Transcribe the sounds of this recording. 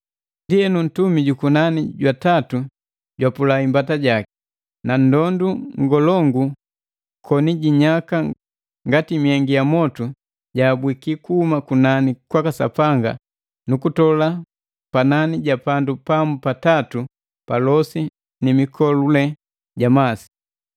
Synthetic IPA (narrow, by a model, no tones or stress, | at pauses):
ndiɛnun̩tumiɟukunaniɟwatatu | ɟwapulaimbataɟaki̥ | nan̩dɔnduŋɡɔlɔŋɡu | kʰɔniɟiɲaka | ŋɡatimiɛŋɡijamɔtu | ɟaːbwikikuhumakunanikwakasa̰paŋɡa̰ | nukutɔla | pananiɟapandupamupatatu | palɔsi | nimikʰɔlulɛ | ɟamasi̥